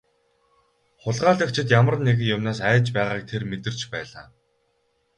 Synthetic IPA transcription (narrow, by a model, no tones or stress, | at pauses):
χʊɮʁaːɮə̆kt͡ɕʰɪ̆t̪jamə̆rneɣɘ̆jʊmnaːsæːt͡ɕpæːʁaːk̚t̪ʰermet̪ɘ̆r̥t͡ɕpæːɮaː